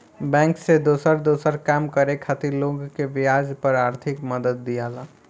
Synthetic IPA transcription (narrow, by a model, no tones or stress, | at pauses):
bɛ̃ːŋksed̪oːsəɾd̪oːsəɾkaːmkəɾekʰat̪iloːɡkeʋɪjaːd͡ʒpəɾaːɾt̪ʰɪkməd̪əd̪̚ːijaːlaː